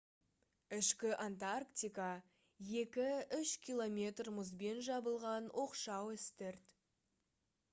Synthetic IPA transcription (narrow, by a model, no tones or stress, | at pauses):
ɪʃkʲɪʔant̪arkt̪ʲijka | je̞kʲɪʏʃkʲʰilˠo̞mʲe̞t̪rmʊzbe̞nʒɑbəlˠʁɑnwʔo̞qʃɑwɪst̪ɪɾt̪